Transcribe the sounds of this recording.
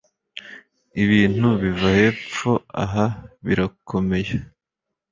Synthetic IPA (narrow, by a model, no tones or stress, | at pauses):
iβiːn̥huβivahe̞ːp͡fo̞a̰ɦaβiɾakʰo̞me̞ja